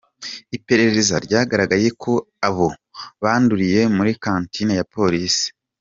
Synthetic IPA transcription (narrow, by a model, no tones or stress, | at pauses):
ipe̞ɾe̞ezaɾɟaːɡaɾaɡaɾje̞kʰo̞ | aβo̞βaːnduɾije̞muɾikaːntinajapo̞ɾisi̥